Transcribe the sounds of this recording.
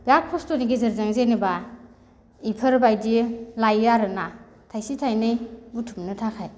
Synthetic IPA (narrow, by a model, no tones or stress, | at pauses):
bak̚pʰɔstuniɡizɯɾzɯŋzeniba | ipʰɯɾbajdilajaɾɯna | tʰajsitʰajnɯjbutʰumnɯtʰakʰaj